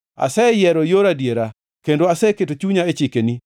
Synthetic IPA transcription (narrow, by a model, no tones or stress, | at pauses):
a̰sɛjɛɾɔjoɾadjeɾa | kendoasɛketot͡ʃuɲaet͡ʃikeni